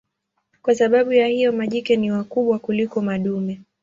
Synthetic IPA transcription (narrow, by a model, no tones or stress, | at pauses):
kwasaɓaɓujahijɔmaʄikɛniwakuɓwakulikɔmaɗumɛ